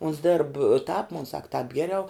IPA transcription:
ʊns dʲeːrp tɑːp moːn sɐk tɑːp ˈɡʲæːrʲɛʊ

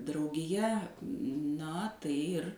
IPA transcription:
drɐʊɡʲɪˈjɛ ˈnɐ ˈtɐɪ ɪr

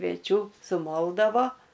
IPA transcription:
kʋʲiɛˈt͡ʃʲuː sʊˈmoːlˠdɐʋoː

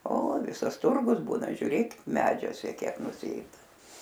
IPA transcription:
oː ˈʋʲɪsɐs ˈtʊrɡʊs ˈbuːnɐ ʒʲʊˈrʲeːk ˈmʲæːd͡ʒʲuɔsʲɛ ˈkʲiɛk nʊˈsʲeːdɐ

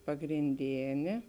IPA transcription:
pɐɡrʲɪnʲˈdʲeːnʲeː

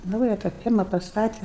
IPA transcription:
ˈnɐʊjɛ tɑː ˈfʲiɛrmɐ pɐsˈtɑːtʲɛ

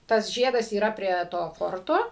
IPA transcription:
tɐs ˈʒʲiɛdɐs iːˈrɐ pʲrʲiɛ ˈtoː ˈfoːrtoː

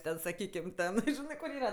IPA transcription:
ˈtʲɛn sɐˈkʲiːkʲɪm ˈtʲɛn ˈʒʲɪnɜ kʊr ˈiːrɐ

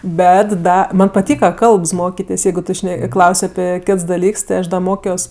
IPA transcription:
ˈbʲɛt ˈdɐ ˈmɐnʲ pɐˈtʲiːkɐ ˈkɐlˠps ˈmoːkʲɪtʲeːsʲ ˈjɛɪɡʊ ˈtʊ ˈʃʲnʲɛ ˈklˠɐʊsʲ ɐˈpʲɪ ˈkʲɪts dɐˈlʲiːks tʲɪ ˈɐʃ ˈdɐ ˈmoːkʲoːs

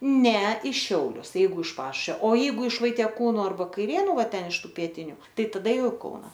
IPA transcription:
ˈnʲɛ ɪ ˈʃʲɛʊlʲʊs ˈjɛɪɡʊ ɪʃ ˈpɑːʃʊʃʲʋʲoː oː ˈjɛɪɡʊ ɪʃ ʋɐɪtʲiɛˈkuːnʊ ˈɐrbɐ kɐɪˈrʲeːnʊ ˈʋɐ ˈtʲɛn ɪʃ ˈtuː pʲiɛˈtʲɪnʲʊ ˈtɐɪ tɐˈdɐ ˈjɛʊ ɪ ˈkɐʊnɐ

